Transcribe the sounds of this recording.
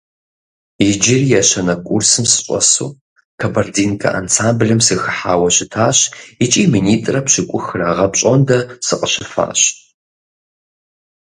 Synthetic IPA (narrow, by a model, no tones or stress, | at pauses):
ɪd͡ʒɪrjɛɕɐnɐkʷʼursɨmsɨ̥ɕʼɔ̰sṵː | kʰɐbɐrdiːnkʰɐ̰ʔa̰nsaːmblɨmsɨxɨħaːwɐɕɪtʰaːɕɪt͡ʃʼiːminiːtʼrɐpɕɪkʷʼʊxɨrɐʁɐpɕʼɔndɐsɨqʼəɕɪfa̰ːɕ